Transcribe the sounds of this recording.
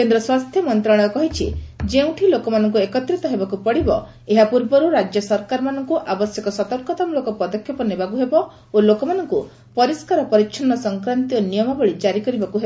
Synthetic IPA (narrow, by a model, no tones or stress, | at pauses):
kend̪ɾɔswast̪ʰjɔmɔnt̪ɾaɽ̃ɔ̃ɔkɔɦit͡ʃʰḭd͡ʒeũʈʰilokɔmanɔŋkuekɔt̪ɾit̪ɔɦebakupɔɽibɔ | eɦapuɾbɔɾuɾad͡ʒjɔsɔɾkaɾɔmanɔŋkuʔabɔsjɔkɔsɔt̪ɔɾkɔt̪ɔmlokɔpɔd̪ɔkʰjɔpɔnebakuɦebɔ | olokɔmanɔŋku | pɔɾiskaɾɔpɔɾikʃʰɔnːɔsɔŋkɾant̪ionijɔmɔbɔɭid͡ʒaɾikɔɾibakuɦebɔ